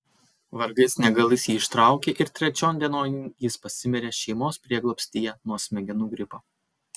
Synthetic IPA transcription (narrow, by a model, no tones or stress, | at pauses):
ʋɐɾɡɐɪsnʲɛɡɐlˠʲɪsjiːɪʃt̪ɾɑˑʊkʲeʔɪɾt̪ʲɾʲɛt͡ʃʲoːnd̪ʲiɛnoːnjɪspɐsʲɪmʲɛɾʲeːʃʲɛɪmoːspʲɾʲiɛɡlˠoɔpʲsʲt̪ʲiːjɛnuɔsʲmʲɛɡʲɛnuːɡɾʲɪpoː